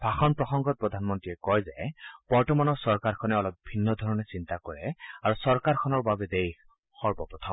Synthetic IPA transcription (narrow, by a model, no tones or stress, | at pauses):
bʱaxɔnpɹɔxɔŋɡɔt̚pɹɔd̪ʱanmɔntɹiɛkɔjzɛb̥ɔɹtɔmanɔɹsɔɹkaɹkʰɔnɛɔlɔp̚bʱinːɔd̪ʱɔɹɔnɛsint̪akɔɹɛ̰aɹusɔɹkaɹkʰɔnɔɹbabɛd̪ejx | xɔɹbɔpɹɔt̪ʰɔm